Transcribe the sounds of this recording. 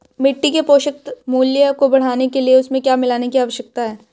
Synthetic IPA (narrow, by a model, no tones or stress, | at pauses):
mɪʈːikepoːʃək̚t̪muːljəkobɐɽ̤aːnekelieʊsmẽkjaːmɪlaːnekiaːʋəʃək̚t̪aɦɛː